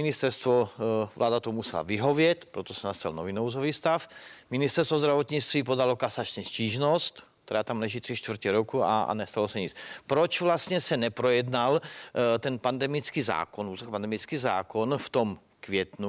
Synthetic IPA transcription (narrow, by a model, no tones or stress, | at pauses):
minist̪ɛɾst̪ʋɔvlʔa̰ːd̪at̪ɔmusɛla̰ʋiɦɔʋɪɛt̪pɾɔt̪ɔsɛnast̪alnɔʋinɔʊzɔʋiːst̪afminist̪ɛɾst̪ʋɔzd̪ɾaʋɔt̪ɲit͡st̪ʋiːpɔd̪alɔkasat͡ʃɲɛsciːʒnɔst̪ | t̪ɛɾaːt̪amlɛʒiːt̪r̥iʃt̪ʋr̩cɛɾɔkua̰nɛst̪alɔsɛɲit͡spɾɔt͡ʃvlast̪ɲɛsɛnɛpɾɔjɛd̪nalt̪ɛnpand̪ɛmit͡skiːza̰ːkɔnuːzkpand̪ɛmit͡skiːza̰ːkɔnft̪ɔm | kʋɪɛt̪nu